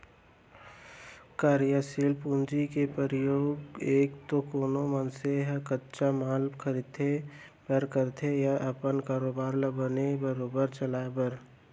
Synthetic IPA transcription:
kaːɾjəsilpũnd͡ʒikepɾəɾəjoːɡeːkt̪okoːnomənseɦəkətːʃamaːlbkʰəɾid̪t̪ʰe | bəɾkəɾt̪ʰejaʔəpənkaːɾoːbaːɾləbənebəɾoːbəɾt͡ʃəlaːebəɾ

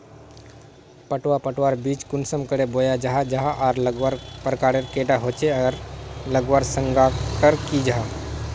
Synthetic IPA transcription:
pəʈwapəʈwaɾbiːt͡ʃkʊnsəmkəɽebojad͡ʒaɦad͡ʒaɦaʔɔːɾləɡwaɾpɾkaːɾeɾkeɖaɦoːt͡ʃeaɾləɡwaɾsə̃ŋɡakəɾkid͡ʒaɦa

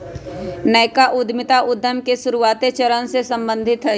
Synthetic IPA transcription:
nəjkaʔʊd̪ʱmɪt̪aʔʊd̪ʱːəmkeʃʊɾuaːt̪et͡ʃəɾənsesə̃mbə̃nd̪ʱɪt̪ɦɛ

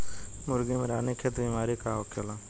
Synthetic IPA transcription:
mʊɾɡeːmeɾaːneːkʰeːt̪biːmaːɾiːkaːokjoːlaː

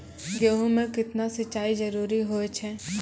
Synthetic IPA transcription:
ɡoːɦõmẽkɪt̪nasɐt͡ʃːʃaːizɐɾuːɾiɦoet͡ʃʰɛː

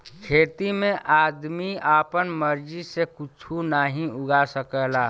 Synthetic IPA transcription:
kʰeːt̪imẽʔaːd̪miaːpənməɾd͡ʒisekut͡ʃʰunaːɦĩʊɡasəkəlaː

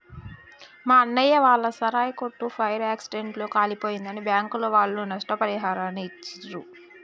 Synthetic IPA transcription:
maːɐnːɐjːɐʋaːɭːɐsɐɾaːjɐkoʈːupʰɐjɐɾaːksiɖe̞ɳʈloːkaːlipo̞ːjind̪ɐnibjaːŋkuloːʋaːɭːunɐʂʈɐpɐɾiɦaːɾaːnːt͡ʃːiɾu

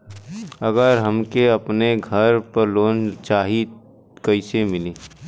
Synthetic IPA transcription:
ɐɡəɾɦɐmkeɐpneɡʱɐɾpɐɾloːnt͡ʃaːɦi | kɐɪsemɪliː

